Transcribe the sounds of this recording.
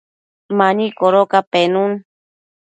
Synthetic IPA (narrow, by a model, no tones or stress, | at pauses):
mãɲĩkoɾokapenun